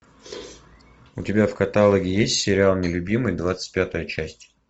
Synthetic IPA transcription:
ʊtʲɪbʲafkɐt̪alˠəɡʲɪjesʲtʲsʲɪɾʲɪalˠnʲɪlʲʊbʲimɨjd̪vat̪sɨ̥t̚ʲpʲat̪əjət͡ɕæsʲtʲ

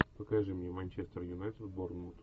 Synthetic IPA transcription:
pɐkaʐɨmnʲemɐnʲt͡ɕest̪ərjʊnajt̪əd̪boɾnmut̪

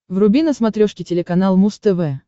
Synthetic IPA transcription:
vrʊbʲinəsmɐt̪ɾʲoʂkʲɪtʲɪlʲɪkɐnalˠmust̪ɛvɛ

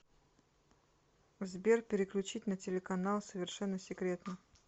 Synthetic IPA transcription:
vzbʲerpʲɪɾʲɪklʲʉt͡ɕitʲnətʲɪlʲɪkɐnalˠsəvʲɪrʂɛnːəsʲɪkɾʲe̞t̪nə

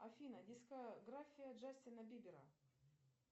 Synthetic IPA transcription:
ɐfʲinɐdʲiskɐɡɾafʲijɐʐasʲt̪ʲɪnɐbʲibʲɪɾɐ̰

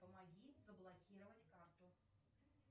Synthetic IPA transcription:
pɐmaɣʲizɐblˠɐkʲiɾʊvɐtʲkart̪ʊ

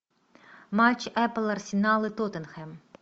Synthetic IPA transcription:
mat͡ʃːɛplˠɐrsʲɪnɑlˠɨt̪ɔt̪ɛnxɛm

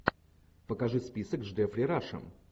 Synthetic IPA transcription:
pəkɐʐɨspʲisəkzʐd̪ɛfɾʲɪɾaʂə̰m

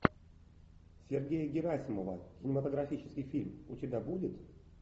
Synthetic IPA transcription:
sʲɪrɡʲejəɡʲɪɾasʲɪməvəkʲɪnʲɪmət̪əɡɾɐfʲit͡ɕɪ̥skʲɪjfʲilʲmʊtʲɪbʲabudʲɪt̪

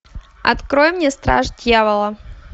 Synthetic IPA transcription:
ɐ̰t̪kɾojmnʲest̪ɾa̰ʐdʲjavəlˠə

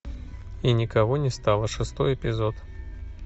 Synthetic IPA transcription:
inʲɪkɐvonʲɪst̪alˠəʂɨst̪ojɪpʲɪzot̪

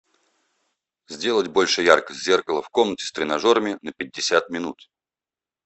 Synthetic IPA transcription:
zʲdʲe̞lˠətʲbo̞lʲʂɨjarkəsʲtʲzʲe̞rkəlˠəfko̞mnətʲɪ̥st̪ɾʲɪnɐʐo̞ɾəmʲɪnəpʲɪdʲːɪsʲat̪̚mʲɪnut̪

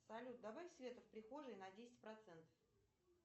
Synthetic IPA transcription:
sɐlʲut̪̚d̪ɐbafʲsvʲe̞t̪əfpɾʲɪxo̞ʐɨjnɐdʲesʲɪ̥t̚ʲpɾɐt̪sɛnt̪ə̥f

